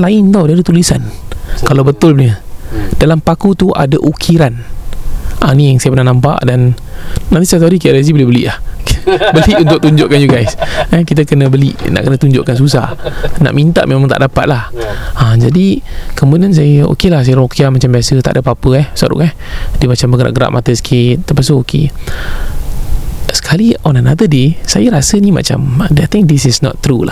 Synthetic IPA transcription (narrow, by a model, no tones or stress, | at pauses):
laɪnt̪awdiadat̪ulisankalawbət̪ʊlpənədalampakut̪uʔa̰daʔukʰiɾan | ʔanĩjaŋsajapənahnampa̰ʔdanː | ãnt̪isajt̪aɾik̬iaʔɾes̬ibolɪhbəlḭʔlah | bəliʔunt̪ʊk̚t̪uɲd͡ʒʊʔkand͡ʒuɡajsəkit̪̬akənə̃bəlḭʔna̰ʔkənət̪uɲd͡ʒʊ̰ʔkans̬us̬a̰hna̰ʔmint̪a̰ʔmʔemaŋt̪a̰ʔdapat̪̚lahad͡ʒadikɔmunəns̬ajəo̰kelahs̬ajəɾokʰiamat͡ʃambiasət̪a̰ʔdəpapəɛhsa̰ʔɾṵʔka | dimat͡ʃambəɡəɾa̰ʔɡəɾa̰ʔ̚mat̪əsə̥kʰɪt̪̚ːəpasookʰḛ | sə̥kʰaliɔnənad̪ədesajəɾasənima̰t͡ʃa̰mdeat̪ɪ̃ŋk̚disisnɔ̰t̪ːɾula̰